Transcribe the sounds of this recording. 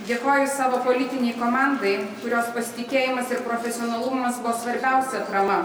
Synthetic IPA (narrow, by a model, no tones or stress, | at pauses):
d̪ʲeːkoːjʊsɑːʋopoːlʲɪt̪ʲɪnʲɛɪkoːmɑˑnd̪ɐɪkʊɾʲoːspɐsʲɪ̥t̪ʲɪkʲeːjɪmɐsɪɾpɾoːfʲɛsʲɪoːnɐlˠumɐsbʊʋoːsʋɐɾʲbʲɛˑʊsʲɛt̪ɾɐmɐ